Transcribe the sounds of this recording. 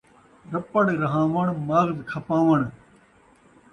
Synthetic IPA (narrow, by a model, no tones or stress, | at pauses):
ɾɐpəɽɾɐɦãːʋɐɳmaːɣzkʰɐpãːʋɐɳ